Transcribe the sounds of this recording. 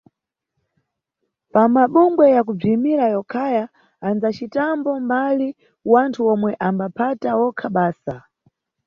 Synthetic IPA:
pamaɓuŋɡwɛjak̬ub͡ʐimiɾajɔkʰajaː | nd͡zat͡ʃitambɔmbali | wantʰuɔmwɛʔambapʰatawɔkʰaɓaːsa

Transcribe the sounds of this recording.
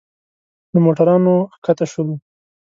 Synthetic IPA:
d̪əmoʈaɾɑnoxkat̪aʃəlu

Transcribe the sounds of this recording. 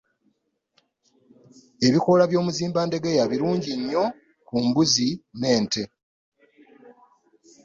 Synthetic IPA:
e̞βikolaβjo̞ːmuziːmbaːnde̞ɡejaβiɾuːɲɟiɲːo̞ | kumbuzine̞ːnte̞

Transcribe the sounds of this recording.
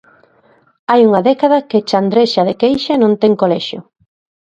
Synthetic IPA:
ajuŋɐðɛkaðɐket͡ʃand̪ɾeʃaðekejʃanõnt̪ɛŋkolɛʃjʊ̰

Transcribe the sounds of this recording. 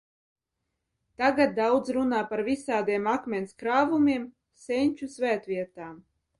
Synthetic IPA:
t̪aɡat̪̚d̪awd̪zɾunaːpaɾvisaːd̪iɛmakmʲɛnʲskɾaːvumʲiɛm | sɛnʲt͡ʃusvʲæːt̪vʲiɛt̪aːm

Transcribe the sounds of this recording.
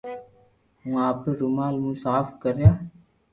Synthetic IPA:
ɦũːaːpeːɾʊmaːlmũːsaːfkəɾjaː

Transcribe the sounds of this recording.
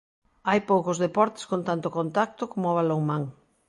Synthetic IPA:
ajpowkozðepɔɾt̪e̥skont̪ant̪okont̪ak̚t̪okomʊoβaloŋmãŋ

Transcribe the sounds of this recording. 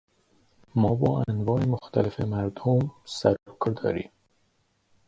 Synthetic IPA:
mɒːbɒːænvɒːʔemoxt̪ʰælefemæɾd̪̥omsæɾokʰɾd̪ɒ̰ːɾḭːm

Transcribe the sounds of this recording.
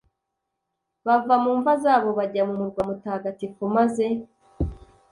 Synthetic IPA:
βavamuːɱvazaːβo̞βaɟamumuɾɡwamutaːɡatikomaze̞

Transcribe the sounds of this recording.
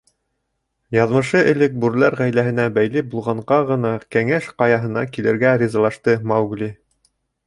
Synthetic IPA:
jɑðmɤ̆ʃɤʔɘ̆lɘk̚bʉɾlæɾʁæjlæɦɘ̆næbæjlɘbulˠʁɑɴʁɑʁɤ̆nɑkæŋæʃqɑjɑɦɤ̆nɑkilɘ̆ɾɡæɾʲizɑlˠɑʃt̪ɤmɑwɡlʲi

